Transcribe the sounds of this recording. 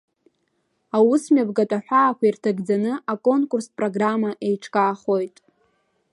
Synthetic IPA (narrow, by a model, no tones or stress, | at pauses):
awusmʲavɡatʼaħʷᶣaːkʷʰairtʰaɡd͡zanɨakʼo̞nkʼurspʼroɡramaʔe̞jʈ͡ʂʰkʼaːχo̞jtʼ